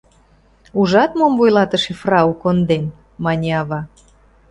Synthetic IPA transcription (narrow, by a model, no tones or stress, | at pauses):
uʒɑt̪momvojlɑt̪ə̆ʃefrɑukond̪en | mɑnʲeɑβɑ